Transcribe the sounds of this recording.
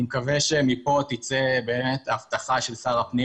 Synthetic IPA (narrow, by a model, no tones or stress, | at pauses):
imkaveʃemipo̞t̪it͡sebe̞ːmet̪aft̪aχaʃelsaʁapni